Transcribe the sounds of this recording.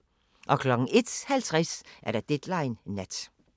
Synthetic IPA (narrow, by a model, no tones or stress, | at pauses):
ʔɒ̽kʰlɒ̽ɡ̥ŋ̩e̝d̥hælt͡sʰʁɛsʔæɐɾ̥ɑd̥ed̥lɑ̈ɪnːæd̥